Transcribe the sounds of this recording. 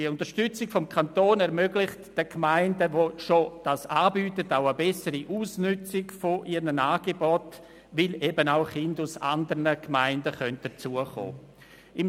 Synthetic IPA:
diəʊntəʃtʏt͡sɪɡfɔmkʰantoːnɛɾmøɡlɪχtd̥əkmaɪndəʋoʃod̥asaːbyːtətaʊəbɛsəɾiʔuːsnʏt͡sɪɡfoʔiɾnənaːɡ̥ebɔt | vɪlebənaʊχɪndʊsa̰ndəɾnəkmaɪndəχœnt̚d̥ət͡suəχo̰ː | ɪm

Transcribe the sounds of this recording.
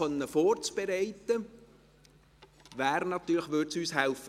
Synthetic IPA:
œnːəfɔːrt͡sb̥ɛɾɛɪt̪ə | ʋæːɾnɑt̪ːyːɾləχʋøɾtsyːshɛlfə

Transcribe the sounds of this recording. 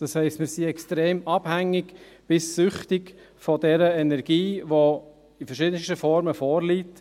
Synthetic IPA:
d̥ɑshɛɪstmɪɾsiɛkstɾeːmɑb̥hæŋːɪɡ | b̥ɪsːʏχtɪɡ | fɔdɛɾəɛnɛɾɡ̥iːʋo | ifəɾʃɪd̪ənstəfɔɾməfɔːɾlit

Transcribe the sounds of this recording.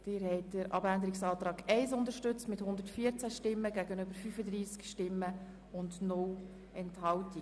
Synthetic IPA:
d̥ɪɾhɛɪt̚dəɾʔɑ̰bændəɾɪksɑːt̪ɾɑːɡɛɪsʊndəɾʃtʏt͡stmɪthʊnd̪əɾtfiːəɾt͡sæʃtɪmːəɡæɡənʏbəɾfyfəd̪ɾiːskʃtɪmːə | ʊndnʊl | ɛnthɑlti

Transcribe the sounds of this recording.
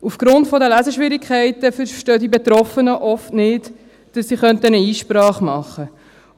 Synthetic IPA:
ufɡ̥ɾʊntfɔdəlæzəʃʋɪɾikʰχɛɪtəfəʃtøːdibetɾɔfənəʔɔftnɪt | d̥ɑsːiχœntənəiːʃpɾɑːχmɑχːə

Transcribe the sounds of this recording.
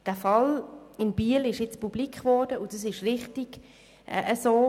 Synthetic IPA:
d̥æːfɑlɪnb̥iːəlɪʃjɪt͡spub̥likχʋɔɾd̥əʊdɑs̬ɪʃʁɪχtiɡ̥ | ʔʔəsoː

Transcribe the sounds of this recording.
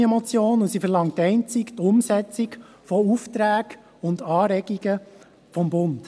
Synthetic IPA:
ɛmɔt͡sjoːnʊsifəɾlɑŋtːɛɪnt͡sikt̪ʊmsɛt͡sik | fɔuftɾæːɡ̥ | ʊndɑːɾɛɡiɡə | fɔmbʊnd̥

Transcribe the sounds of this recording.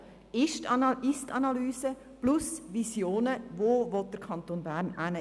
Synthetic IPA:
ɪʃtɪstɑnɑlyːsə | plʊsʋisjoːnəʋoːʋɔt̚d̥əɾkʰɑnt̪oːnbæːɾnænə

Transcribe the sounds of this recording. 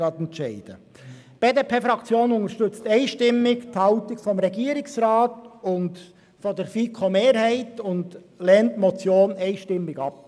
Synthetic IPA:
ɑtɛntt͡ʃɛɪd̥ə̰ | b̥eːdeːpʰeːfɾɑkt͡sjoːnʊŋəʃtʏt͡stɛɪʃtɪmːɪkthɑltɪkfɔmɾɛɡiːəɾɪksrɑːtʊnd | fɔdɛɾfiːkʰomeːɾhɛɪtʊnd | lɛːntmɔt͡sjoːnɛɪʃtɪmːɪɡɑp̚

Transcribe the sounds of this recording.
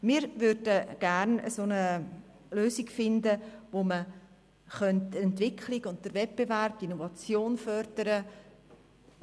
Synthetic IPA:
mɪːɾʋʏɾdəɡ̥æɾnə̰soːnə | løːsiɡfɪndəʋomə | χœntɛntvɪkʰliɡʊnt̚d̥əɾvɛt̚b̥evæɾb̥̚tinovɑt͡sjoːnfœɾd̥əɾə

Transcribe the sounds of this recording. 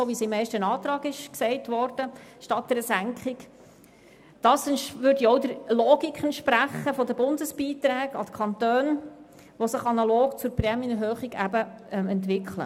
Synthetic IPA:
oʋisɪmːɛɪʃtənɑːt̪ɾɑːɡɪʃksɛɪtʋɔrd̥əʃtɑt̚d̥əɾəsæŋkχɪk | d̥ɑːsɛnʋʏɾdiɔʊdəɾlɔːɡikʰχɛntʃpɾæχːəfɔdəbʊndəsb̥iːt̪ɾæːɡɑdə̥kʰχɑnt̪øːn | ʋɔsəχɑnɑloːkt͡sʊɾprɛmənəɦøːχiɡæbəɛmɛntʋɪkχlə̰

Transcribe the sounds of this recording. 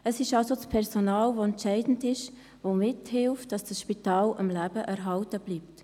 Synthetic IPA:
əsɪʃɑlsot͡spʰɛɾsonɑːlʋoɛntt͡ʃɛɪdn̩dɪʃ | ʋomɪthɪlftd̥ɑsd̥ɑsʃpitɑːləmlæb̥əʔæɾɦɑltəb̥liːpt

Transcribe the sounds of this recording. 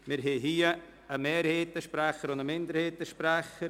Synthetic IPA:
mɪɾɦeːɦiːə | əmeːɾheːtəʃpɾaxəɾʊnəmɪndəɾheːtəʃpɾɛxəɾ

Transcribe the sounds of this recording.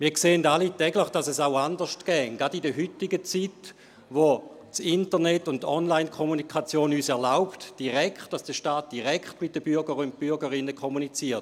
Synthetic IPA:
miːɐkseːəndalitɛɡləχd̥ɑsɛsaʊandəʃtkɛːŋɡɑdidəɦytiɡət͡sit | ʋo | t͡sintənɛtːʊndtːɔnlaɪnkʰomunikχɑt͡sjoːnyːsɛɐlaʊptd̥iʁɛkχt̚d̥asd̥əʃtaːt̚d̥iʁɛkχtmɪt̚dəb̥yɐɡəʁʊnt̚pyɐɡəʁɪnːəkʰomunit͡siːɐt

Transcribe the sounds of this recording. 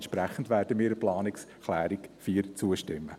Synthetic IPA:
ntʃpɾæχəndʋæːɾdəmiːɾəplɑːnɪks | klæːɾikfiːɾt͡suəʃtɪmːə

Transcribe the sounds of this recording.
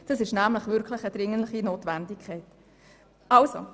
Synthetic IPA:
d̥ɑsɪʃnæmləχʋʏɾkʰləχəd̥̪ɾɪŋənləχinoːtʋændɪkʰχɛɪt | ɑlso̰

